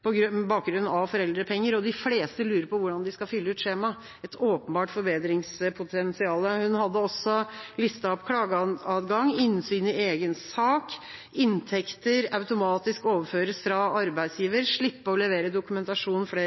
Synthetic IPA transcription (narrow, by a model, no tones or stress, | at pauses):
pʰɔɡɾbɑːk̚ɡɾʉnn̩ɑʋfɔɾɛld̪ɾəpʰɛŋːəɾɔd̪ɪfleːst̪əlʉːɾəɾpʰɔʋʊɖɑnd̪ɪskɑfʏlːəʉːt̪ʂeːmɑ | ɛt̪ʰoːpənbɑːʈfɔɾbeːd̪ɾɪŋspʰʊt̪ʰɛnsɪɑːləhʉnhɑd̪ːəɔsːɔlɪst̪ɑpkʰlɑːɡəɑɑd̪ɡɑŋɪnsyːnɪeːɡənsɑːk | ɪnt̪ʰɛkt̪əɾɑʉt̪ʊmɑːt̪ɪskoːʋəføːɾəsfɾɑɑɾbæɪd̪sjiːʋəɾʂɭɪpːəɔlɛʋeːɾəd̪ʊkʉmɛnt̪ɑʂuːn̩fɽeː